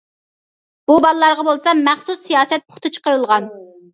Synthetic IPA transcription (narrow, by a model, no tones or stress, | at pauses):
b̥ubɑlˠlˠɑɾʁɑbolˠsɑmɛχsusːijɑːsɛt̪̚pʰo̥χt̪ʰɨt͡ʃʰə̥qəɾɨlˠʁɑn